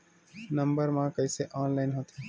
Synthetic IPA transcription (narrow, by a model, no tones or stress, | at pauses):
nəmbəɾmãːkəiseːʔaːnlaːɪnɦot̪ʰeː